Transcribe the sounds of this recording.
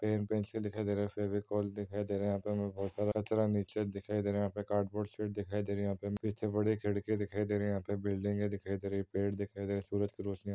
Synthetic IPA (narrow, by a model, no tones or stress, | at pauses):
peːnpẽːnsed̪ɪkʰaid̪eːɾeefʰeːbikɔːld̪ɪkʰaːid̪eːɾẽjɦãːpemɛ̃bɔːt̪saːɾaɐt͡ʃɾaniːt͡ʃed̪ɪkʰaːid̪eːɾẽjãːpekaːɾɖboːɾseːʈ̚d̪ɪkʰaːid̪eːɾijɦãːpepit̪ʰebɐɽikʰeɽked̪ɪkʰaːid̪eːɾ̃jɦãːpebɪlɖɪ̃ŋɡed̪ɪkʰaːid̪eːɾeipeːʈd̪ɪkʰaːid̪eːɾẽsuːɾəd͡ʒkiɾoːt͡ʃnia